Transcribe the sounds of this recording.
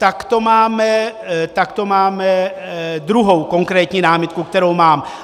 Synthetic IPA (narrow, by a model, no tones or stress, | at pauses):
t̪akt̪o̞maːmɛt̪akt̪o̞maːmɛ | d̪ɾuɦowko̞ŋkɾɛːt̪ɲinaːmɪt̪kukt̪ɛɾowmaːm